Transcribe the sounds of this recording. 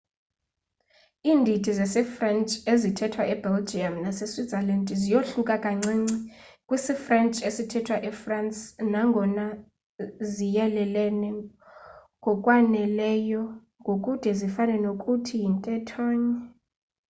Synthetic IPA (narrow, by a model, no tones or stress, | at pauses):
iːndʱidʱizɛsɛfrɛnt͡ʃʼezitʰɛtʰwaʔɛbɛld͡ʒiamnasesizɛlandʱʼzijoɬukʼakʼaŋ͡ǀiŋ͡ǀikʼwisifrɛnt͡ʃʼesitʰɛtʰwaʔɛfransʼnaŋɡʱɔna | zijɛlɛlɛnɛ | ŋɡʱɔkʼwanɛlɛjɔ | ŋɡʱokʼud̥ʱɛzifanɛnokʼutʰijintʼɛtʰɔːɲɛ